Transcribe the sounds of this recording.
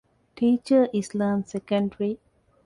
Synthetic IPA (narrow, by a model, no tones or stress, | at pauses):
ʈʰiːt͡ʃəʔislãːmsekə̃ɳɖɾi